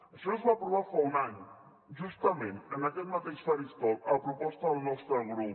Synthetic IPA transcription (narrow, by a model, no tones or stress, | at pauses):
ʃinozβapɾuβaɾfɐunaɲ | ʒuʃt̪ɐmẽnt̪ənɐkɛt̪̚mɐt̪eʃsaɾist̪ɔkɐpɾupɔst̪ɐðlˠnɔst̪ɾɐɣɾu